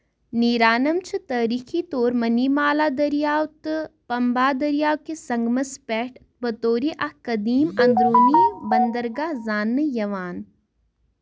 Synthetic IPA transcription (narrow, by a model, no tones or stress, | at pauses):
niɾaːnɐmt͡ʃʰɨt̪ɐɾiːkʰit̪oːɾmɐnimaːlad̪ɐɾijaːwt̪pɐmbaːd̪ɐɾijaːwkesɐŋɡmɐspɛːʈ | bɐt̪oːɾiʔɐhkɐd̪iːmɐ̃nd̪ɾoːnibɐnd̪əɾɡazaːnːɨjɐʋaːn